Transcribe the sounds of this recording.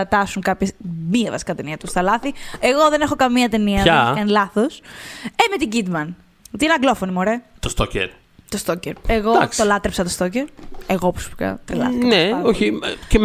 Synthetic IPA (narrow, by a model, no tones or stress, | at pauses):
ɐt̪ɐsuŋkɐpçesmiɐvɐsi̥kɐt̪eniɐt̪ust̪ɐlɐθieɣo̞ðe̞nexokɐmiɐt̪e̞niɐɐkɐnilɐθosemet̪iɟid̪mɐn | ot̪iineɐɡlo̞fo̞nimoɾet̪ost̪ocḛɾ | t̪ost̪oceɾeɣoɐ̰kst̪olɐt̪ɾepsɐt̪ost̪o̞ceɾeɣopɾose̥pikɐ̰t̪ɾḛlɐssikɐneoçice